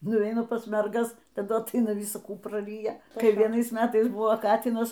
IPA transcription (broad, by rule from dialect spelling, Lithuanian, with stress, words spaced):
nʊˈʋʲɛɪnɐ pɐs mʲɛrˈɡɐs tɐˈdʊ ɐtˈɐɪnɐ ˈʋʲɪsɐ ˈkuː prɐˈrʲiːjɛ kɐɪ ʋʲiɛˈnɐɪs ˈmʲæːtɐɪs ˈbʊʋoː ˈkɑːtʲiːnɐs